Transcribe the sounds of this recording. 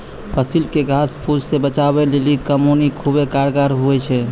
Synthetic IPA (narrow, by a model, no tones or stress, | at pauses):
pʰəsilkeɡʱaspʰud͡ʒsebət͡ʃabɛlelikəmonikʰubekaɾɡaɾɦuɛt͡ʃʰɛ